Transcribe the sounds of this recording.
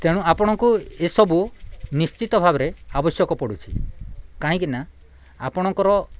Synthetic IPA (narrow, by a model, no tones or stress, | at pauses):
t̪eɽ̃ũapɔɽ̃ɔŋkuesɔbunist͡ʃit̪ɔbʱabɔɾeabɔsjɔkɔpɔɽut͡ʃʰḭkaɦĩkina | apɔɽ̃ɔŋkɔɾɔ